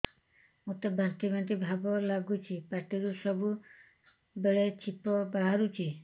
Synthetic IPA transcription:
mut̪abant̪ibʱant̪̬ibʱabɔlaɡut͡ʃʰipaɾʈiɾuʃɔbu | beɭet͡ʃipɔbaɦaɾut͡ʃʰi

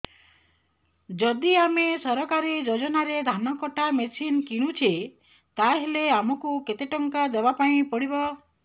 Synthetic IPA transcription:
d͡ʒɔd̪iamesɔɾɔkaɾid͡ʒod͡ʒɔnaɾed̪ʱanɔkɔʈʰamesinkiɽ̃ut͡ʃʰi | t̪aɦeleamɔkuket̪eʈɔŋkad̪ebapaĩpɔɽibɔ

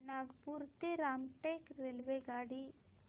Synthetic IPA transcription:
naːɡpuɾt̪iɾaːmʈekɾelʋeɡaːɽi

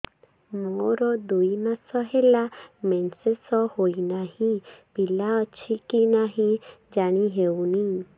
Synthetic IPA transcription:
moɾɔd̪ujmasɔɦelamɛnsesɔhoinaɦĩpilaət͡ʃʰikinaɦĩd͡ʒaɽ̃iɦewni

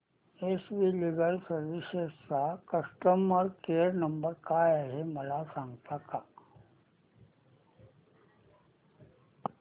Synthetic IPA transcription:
esʋiliɡəlsəɾʋisest͡sakəsʈəməɾkeɾnəmbəɾkajaɦeməlasãŋɡt̪aka

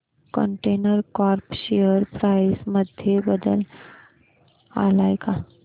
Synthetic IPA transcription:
kə̰ɳʈenəɾkɔɾpɕejəɾpɾaisməd̪ʱjebəd̪ə̰l | a̰lajka

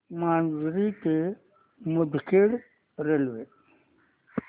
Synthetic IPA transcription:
maːnzɾit̪e | mʊd̪ʱkeːɽ | ɾelʋe

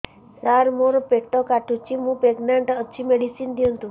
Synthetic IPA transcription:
saɾmoɾpek̚ʈɔkaʈʰut͡ʃːimũpeɡnaɳʈət͡ʃʰimeɽisind̪jõnt̪ũ

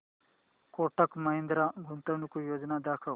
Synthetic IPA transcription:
koːʈɐkmɐɦĩnd̪ɾaɡʱunt̪ɐʋnukujoːd͡ʒnad̪aːkʰɐʋ

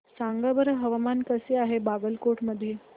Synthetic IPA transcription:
saŋɡabəɾɦəʋamankəseaɦebabəlkoʈməd̪ʱːje

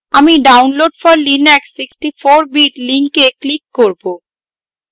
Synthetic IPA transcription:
amiɖawnloɖfɔɾlinɛksiksʈifoɾbiʈliŋkeklikːoɾbo

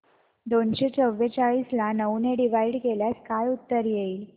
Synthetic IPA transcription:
d̪oɳɕet͡səʋːet͡ɕaɭislanəwneɖiʋaiɽkeljaskajut̪ːəɾjeiːl

